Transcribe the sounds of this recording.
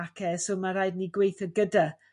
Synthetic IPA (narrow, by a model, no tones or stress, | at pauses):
akʰɛsomaɾajdniɡwejθəɡəda